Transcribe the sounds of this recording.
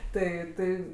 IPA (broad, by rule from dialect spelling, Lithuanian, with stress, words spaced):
ˈtɐɪ ˈtɐɪ